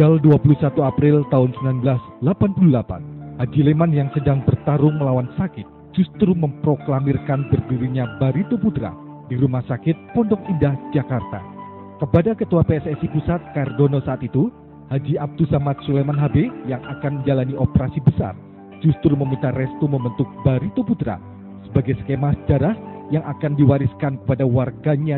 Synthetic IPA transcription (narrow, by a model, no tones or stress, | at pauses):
ɡalduapulusat̪uapɾɪlt̪aɦʊnsəmbilanbəlas | lapanpululapa̰nhad͡ʒilemanjaŋsədaŋbərt̪aɾʊŋməlawansakɪt̪̚ | d͡ʒust̪ɾuməmpɾoklamɪrkanbərdiɾiɲabaɾit̪oput̪ɾa̰ | diɾumahsakɪt̪̚pɔndɔŋindahd͡ʒakart̪a̰ | kəpadakət̪uapeɛsɛsipusat̪̚kardonosaːt̪it̪u | had͡ʒiʔab̚dusamat̪̚sulemanɦabejaŋʔakanməɲd͡ʒalaniʔopəɾasibəsa̰r | d͡ʒust̪ɾuməmint̪arɛst̪uməmbənt̪ʊk̚baɾit̪oput̪ɾa̰ | səbaɡajsə̥kemahsəd͡ʒaɾahjaŋakandiwaɾiskankə̥padawarɡaɲa